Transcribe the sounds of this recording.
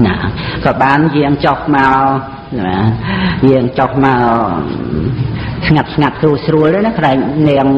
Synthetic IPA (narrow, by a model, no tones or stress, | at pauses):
nakɑːɓaːnjɛəŋt͡ɕohmaɔ | najɨəŋt͡ɕohmaɔ | sŋat̪̚sŋat̪̚suəsruəlʔ̪ənakʰlaɛŋ̚nɛəŋ